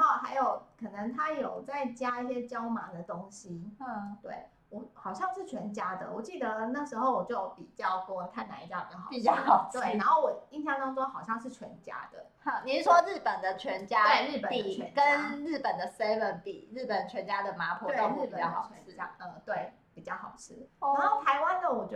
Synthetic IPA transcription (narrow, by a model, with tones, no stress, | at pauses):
ɑ˥˩xa˧˥ɪjo˨˩ʊkʰɤ˨˩nə˧˦ŋt̪ʰa˥jo˨˩ʊt͡sa˥˩ɪt͡ɕja˥i˥˩ɕjɛ˥t͡ɕjɑ˥ʊma˧˥d̪ə˨t̪o˥ŋɕi˦t̪wḛ˥˩ɪ | wɔ˨˩xɑ˨˩ʊɕjɑ˥˧ŋʂɻ̩˥˩t͡ɕʰɥɛ˧˥nt͡ɕja˥d̪ə̰˨wɔ˨˩t͡ɕi˥˩d̪ə˧˩na˥˩ʂ̩˧˥xo˥˧ʊwɔ˨˩t͡ɕjo˥˩jo˨˥pi˨˩t͡ɕjɑ˥˩ʊkə˧˥wɔ˨˩t̪ʰa˥˩ɪna˧˥i˧˩t͡ɕja˥˩pi˨˩t͡ɕɑ˥˩xpi˨˩t͡ɕɑ˥˨t̪we˥˩ɪna˧˥nxo˥˩ʊwɔ˨˩i˥˧ŋɕjɑ˥˧ŋt̪ɑ˥ŋʂwɔ˥xɑ˨˩ʊɕjɑ˥˧ŋʂ̬ɻ̩˥˩t͡ɕʰɥɛ˧˥nt͡ɕja̰˥d̪̥ə̰˨˩ | ni˨˥ʂwɔ˦ɻ̩˥˩pə˨˩nd̪ə˦t͡ɕʰɥɛ˧˥nt͡ɕja˥we˥˧ɪɻ̩˥˩pə˨˩i˨˧ɛ˧˦kə˦nɻ̩˥˩pə˨˩nd̪ə˩se˥ɪwə˧˥npḭ˨˩ɻ̩˥˩pə˨˩nt͡ɕʰɥɛ˧˦˥nt͡ɕja˥d̪ə˨ma˧˥pʰu˧˥o˥˧ŋɻ̩˥˩˨pə̰˨˩˥t͡ɕʰɥɛ˧˦˥ja˥ə˧t̪we˥˩ɪ | pi˨˩t͡ɕjɑ˥˩ʊxɑ̰˨˩ʊʈ͡ʂʰɻ̩˥˩na˧˥xo˥˩ʊt̪ʰa˧˥ɪwa˦nd̪ə˨wɔ˨˩t͡ɕ